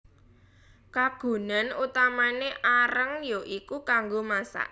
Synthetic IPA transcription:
kaɡ̥o̤nanut̪amaneʔaɾəŋjoʔikukaŋɡomasa̰ʔ

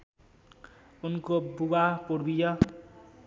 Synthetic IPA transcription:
unkobuɡapuɾbijʌ

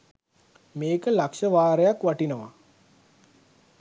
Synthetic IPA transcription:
meːkəlakʃəʋaːɾəjakʋaʈinəʋa

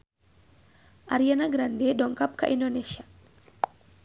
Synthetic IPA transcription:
ʔaɾijanaɡɾandeɗɔŋkap̚ka̰ʔindoneʃa

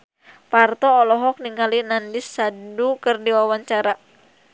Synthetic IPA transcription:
part̪ɔːlɔɦɔk̚niŋɡalinandisːadukərdiwawaɲt͡ʃaɾa

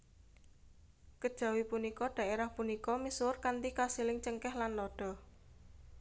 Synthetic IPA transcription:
kəd̥ʒ̥a̤wipunikɔɖ̥a̤ʔeɾahpunikɔmisʊrkant̪ikasilɪŋt͡ʃəŋkɛhlanlɔɖ̥ɔ̤

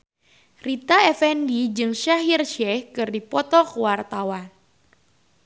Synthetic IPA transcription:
rit̪aɛfɛndid͡ʒɨŋʃaɦirʃɛhkɨrdipɔt̪ɔkəwart̪awan

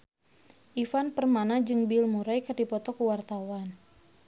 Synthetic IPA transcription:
ʔifanpərmanad͡ʒɨŋbɪlmuɾajkərdipɔt̪ɔkəwart̪awan

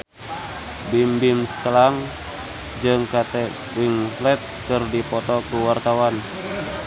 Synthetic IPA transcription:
bimbimslaŋ | d͡ʒɨŋkat̪ɛswiŋslɛt̪̚kɨrdipɔt̪ɔkuwart̪awan

